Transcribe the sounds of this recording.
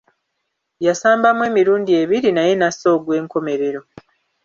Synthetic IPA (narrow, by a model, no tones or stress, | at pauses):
jasaːmbamwe̞ːmiɾuːndie̞βiɾinaje̞naso̞ːɡwe̞ːŋko̞me̞ɾe̞ɾo̞